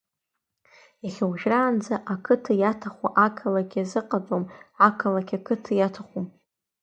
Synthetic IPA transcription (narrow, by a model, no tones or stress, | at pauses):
jaχʲawʒraːnd͡zaʔakʰɨtʰɨjatʰaχʷa̰ʔakʰalakʲʰazɨqʼad͡zʷʼomakʰalakʲakʰɨtʰɨjatʰaχʷum